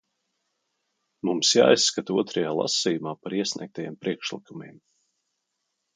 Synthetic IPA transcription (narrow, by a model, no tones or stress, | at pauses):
mumsja̰ːjsːkat̪uɔt̪ɾajaːlˠa̰sijumaːpaɾiɛsnʲḭɛk̚t̪ajeɛːmpɾʔiɛkʃlˠikumiɛm